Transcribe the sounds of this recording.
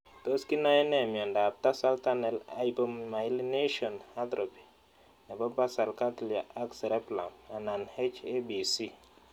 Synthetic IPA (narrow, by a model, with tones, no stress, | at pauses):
t̪o˦ski˦na˦ɛ˦nɛ˦˨mjɔ˨nda˨p̚t̪a˦sa˦lta˦nɛ˨la˦ibo˦mma˨i˦line˦ʃɔ˨na˦d̪ɾo˨pi̥˨ | nɛ˨bɔ˦ba˦sa˨lka˦tli˨a˨ʔa˦ksɛ˨ɾɛ˦pla˨ma˨na˨nhe˦t͡ʃe˦bi˨si˦